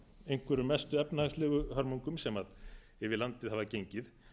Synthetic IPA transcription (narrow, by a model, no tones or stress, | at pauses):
ejŋ̥kvɛɾʏmɛst̪ʏɛpnahaɣslɛːɣʏhaɾmuŋkʏmsɛmað | ɛvɪlant̪ɪðhavacejɲcɪθ